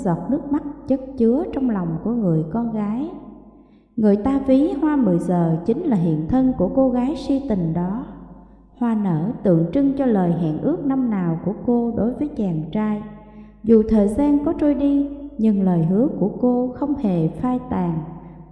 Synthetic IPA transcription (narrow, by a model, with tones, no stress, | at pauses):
zɔ˨˩k͡p̚nɨ˦˥ək̚ma˦˥t̚t͡ɕə˦˥t̚t͡ɕɨ˨˦ət͡ɕɔ˧wŋ͡mlɔ˨˩wŋ͡mku˧˩əŋɨ˨˩əjkɔ˧nɣaː˨˦j | ŋɨ˨˩əjt̪aː˧vi˨˦hwaː˧mɨ˨˩əjzəː˨˩t͡ɕï˨˦ŋ̟laː˨˩ɦḭ˧˨ənt̪ʰə˧nku˧˩əko˧ɣaː˨˦jsi˧t̪ï˨˩ŋ̟ɗɔ˨˦ | hwaː˨˩nəː˧˩t̪ɨ̰˧˨əŋt͡ɕɨ˧ŋt͡ɕɔ˧ləː˨˩jɦa̰ː˧˨nʔɨ˦˥ək̚na˧mnaː˨˩wku˧˩əko˧ɗo˨˦jvəː˨˦jt͡ɕaː˨˩ŋt͡ɕaː˧j | zu˨˩t̪ʰəː˨˩jzaː˧nkɔ˨˦t͡ɕo˧jɗi˧ɲɨ˨˩ŋləː˨˩jɦɨ˨˦əku˧˩əko˧xə˧wŋ͡mhe˨˩faː˧jt̪aː˨˩ŋ